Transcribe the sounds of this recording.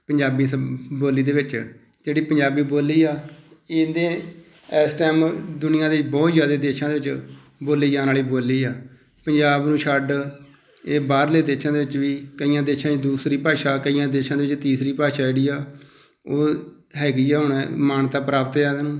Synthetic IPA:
pəɲd͡ʒaːbiːsboːliːd̪eːʋɪt͡ʃ | d͡ʒeːɽiːpəɲd͡ʒaːbiːboːlːiːaːɪd̪ẽː | ɛːsʈɛːmd̪ʊnɪjãːd̪eːɪt͡ʃbɔːt̪zjaːd̪eːd̪eːʃãːd̪eːʋɪt͡ʃ | boːliːd͡ʒãːnaːliːboːliːaː | pəɲd͡ʒaːbnũːʃʰəɖ | eːbaːɾleːd̪eːʃãːd̪eːʋɪt͡ʃʋiːkəijãːd̪eːʃãːd̪uːsɾiːpaːʃaːkəijãːd̪eːʃãːd̪eːʋɪt͡ʃt̪iːsɾiːpaːʃaːeːɽiːaː | oː | ɦɛːɡiːaːɦʊɳmaːnt̪aːpɾaːpt̪eaːd̪aːnũː

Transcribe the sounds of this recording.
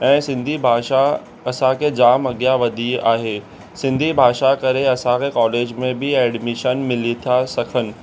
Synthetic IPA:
ɛ̃ːsɪ̃nd̪ʱibʱaːʃa | ɐsãkʰed͡ʑaːmɐɡjaʋɐd̪ʱiaːɦeː | sɪ̃nd̪ʱibʱaːʃakɐɾeɐsãkʰekɔːleːd͡ʑmẽbɪɛːɖmɪʃənmɪlit̪ʰasɐkʰənɪ̆

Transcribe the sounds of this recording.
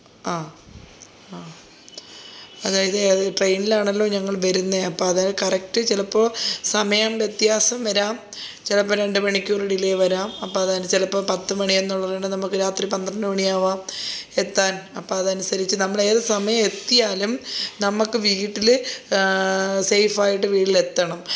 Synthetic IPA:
aː | aː | ɐðaːjɐðɨʈrejnilaːɳɐlːo̞ːɲɐŋːɐɭʋɐɾunːeɐpːoːɐðaːjɐðkɐrɐk̚tɨt͡ɕilɐpːo̞ːsɐmɐjɐmʋjet̪jaːsɐmʋɐɾaːm | t͡ɕilɐpːoːɾe̞ɳɖɨmɐɳikʲːuːriɽileːʋɐɾaːmɐpːoːɐðaːɨt͡ɕilɐpːoːpɐt̪ːɨmɐɳienːuɭːɐreɳɖɨnɐmukːɨɾaːt̪ripɐnd̪rɐnːɨmɐɳijaːʋaːmet̪ːaːnɐpːoːɐðɐnusɐɾit͡ɕːɨnɐmːɐɭe̞ːðɐsɐmɐjɐme̞t̪ːijaːlumnɐmukːɨʋiʈːil | sejfaːjiʈːɨʋiːɽile̞t̪ːɐɳɐm

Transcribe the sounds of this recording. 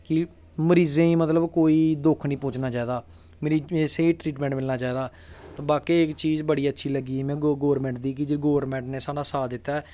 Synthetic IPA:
kɪ | məɾiːzẽːĩːmət̪ləbkoːiːd̪ʊkʰnĩːpʊ̃ːt͡ʃnaːt͡ʃaːeːd̪aː | meːɾiːeːseːiʈɾiːʈmɛ̃ɳʈmɪlnaːt͡ʃaːeːd̪aː | t̪abaːkeːɪkt͡ʃiːzbəɽiːətːʃʰiːləɡiːɛːmɛ̃ːɡɡoːɾmɛ̃ːɳʈ̚d̪iːk̬ɪd͡ʒɪɡoːɾmɛ̃ːɳʈneːsaːɽaːsaːd̪ɪt̪ːaː

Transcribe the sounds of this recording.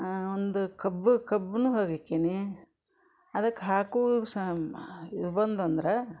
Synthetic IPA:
ond̪ukɐbːukɐbːnuːɦoːɡikːeːni | ɐd̪ɐkːeɦaːkuːs | idbɐnd̪ɐnd̪ɐɾe

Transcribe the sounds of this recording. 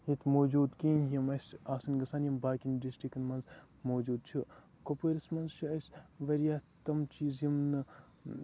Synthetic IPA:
hit̪ʰmoːd͡ʒuːd̪kiːnɦjɐmɐsaːsɐnɡɐsaːnjɐmbaːkinɖisʈikɐnmɐnz | moːd͡ʒuːd̪̚t͡ʃʰu | kopoɾismɐnzt͡ʃʰuɐsʋɐɾjaːt̪ɐmt͡ʃiːzjimnɨ

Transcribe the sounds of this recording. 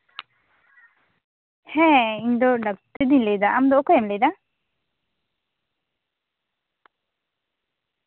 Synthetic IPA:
hɛ̃iɲd̪ɔɖak̚t̪ed̪iɲlejd̪aʔamd̪ɔkɔjɛmlejd̪a

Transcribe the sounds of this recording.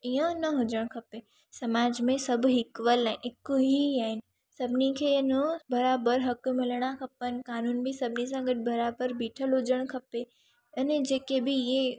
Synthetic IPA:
iə̃nɐɦʊd͡ʒəɽ̃kʰɐpe | sɐmaːd͡ʑmẽsɐbʱɦɪkʋəlaɪɪkoɦiaːɦɪnɪ̆ | sɐbʱɪnikʰeːnəbɐɾaːbəɾɦɐkmɪlɽ̃akʰɐpən̆kaːnuːnbʱɪsɐbʱnis̬ãɡəʈ̚bɐɾaːbəɾbiːʈʰəlɦod͡ʒəɽ̃kʰɐpe | ɐned͡ʑeːkebɪɪẽ

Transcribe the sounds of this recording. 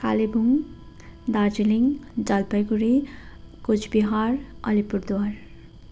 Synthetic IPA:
kʰa̰libʱuŋ | d̪aɾd͡ʒiliŋd͡ʒʌlpəjɡuɾi | kut͡ʃʰbiɦaɾʌlipuɾd̪waɾ

